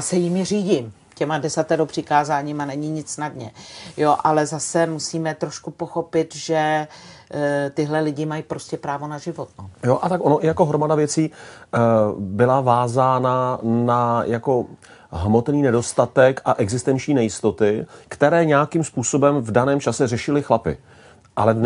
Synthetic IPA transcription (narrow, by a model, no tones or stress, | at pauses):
sɛjɪmjɛr̝iːɟim | cɛmadɛsat̪ɛɾopr̥ɪkaːzaːɲiːmanɛɲiɲɪt͡ssnadɲɛ̰jo̞ʔalɛzasɛmusiːmɛt̪ɾo̞ʃkupo̞xo̞pɪt̪ʒɛ | t̪ɪɦlɛlɪɟɪmajipɾo̞scɛpɾaːvo̞naʒɪvo̞t̪nojoʔat̪akonoʔɪjako̞ɦɾomadavjɛt͡siː | bɪlavaːzaːnanajʔako̞ | ɦmo̞t̪niːnɛdo̞st̪at̪ɛkaʔɛɡzɪst̪ɛnt͡ʃɲiːnɛjɪst̪ot̪ɪkt̪ɛɾɛːɲɛakɪmspuːso̞bɛmvdanɛːmt͡ʃasɛrɛʃɪlɪxlapɪ̰ | ʔalɛ